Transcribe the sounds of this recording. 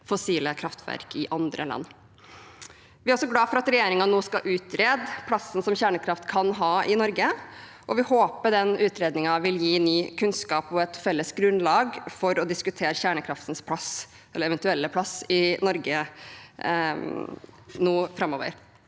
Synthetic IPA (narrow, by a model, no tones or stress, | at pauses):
fɔsiːləkʰɾɑft̪ʰʋæ̰ɾkɪʔɑnd̪ɾə̰lɑ̰nː | ʋɪæɾɔsɔɡlɑːfɔɾɑt̪ɾɛjeːɾɪŋɑnoːskɑʔʉːt̪ɾeːd̪pʰlɑsən̩sɔmçæːɳəkʰɾɑft̪kʰɑnɦɑːʔɪnɔɾɡə | ʔɔʋɪhoːpəɖɛnʉːt̪ɾeːd̪nɪŋɑʋɪljiːnyːkʰʉnskɑːpɔɛt̪fɛlːəsɡɾʉnlɑːɡfɔɾɔd̪ɪskʉt̪ʰeːɾçæːɳəkʰɾɑft̪nspʰlɑs | ɛlːəɾɛʋɛnt̪ʉɛlːəpʰlɑsɪnɔɾɡə | nuːfɾɑmːo̰ːʋə̰ɾ